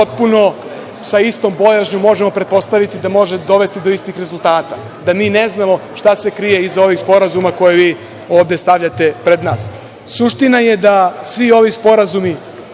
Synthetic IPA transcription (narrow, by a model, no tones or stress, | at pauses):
pot̪̚puno̞ | saist̪o̞mbo̞jaʒɲumo̞ʒemo̞pɾe̞t̪̚po̞st̪aʋit̪id̪amo̞ʒed̪o̞ʋe̞st̪id̪o̞ist̪ixɾe̞zult̪aːt̪a | d̪amiːneznamo̞ʂt̪ase̞kɾijeizao̞ʋixspo̞ɾazumako̞jeʋiː | o̞ːvd̪e̞st̪aʋʎat̪e̞pɾed̪naːs | suʃt̪inaje̞d̪asʋio̞ʋispo̞ɾazumi